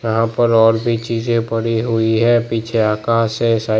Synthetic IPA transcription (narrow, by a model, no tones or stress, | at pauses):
jɐɦãpɐɾɔːɾbʱit͡ʃiːzẽbɐɽiɦʊiɦɛ̃ːpiːt͡ʃʰeaːkaːsẽsaː